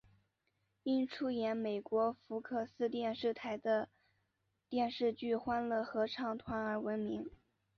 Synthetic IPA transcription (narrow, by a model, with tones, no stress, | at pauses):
i˥nʈ͡ʂʰu˥jɛ˧˥nme˨˩ɪkwɔ˧˥fu˧˥kʰɤ˥˩sɹ̩˥t̪̬jɛ˥˧nʂɻ̩˥˩t̪ʰa˧˥ɪd̪ə˧ | t̪jɛ˥˧nʂɻ̩˥˧t͡ɕy˥˩xwa˥nlə˧xɤ˧˥ʈ͡ʂʰɑ˥˩ŋt̪ʰwa˧˥nə˞˧˥wə˧˥nmi˧˥ŋ